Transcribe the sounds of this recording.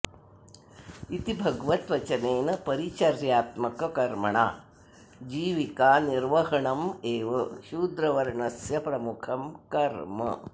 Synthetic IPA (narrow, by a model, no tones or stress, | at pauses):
it̪ibʱɐɡʋɐt̪ʋɐt͡ʃɐneːnɐpɐɾit͡ʃɐɾjaːt̪mɐkɐkɐɾmɐɳa̰ː | d͡ʒiːʋikaːniɾʋɐɦɐɳɐmeːʋɐʃuːd̪ɾɐʋɐɾɐɳɐsjɐpɾɐmukʰɐmkɐɾmɐ̰